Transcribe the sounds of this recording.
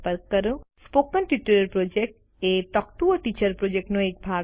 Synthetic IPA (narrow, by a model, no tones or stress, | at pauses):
pəɾkːəɾũspokənʈiʈuləɾpɾod͡ʒek̚ʈ | eʈɔk̚ʈuəʈit͡ʃəɾpɾod͡ʒek̚ʈnõek̚bʱa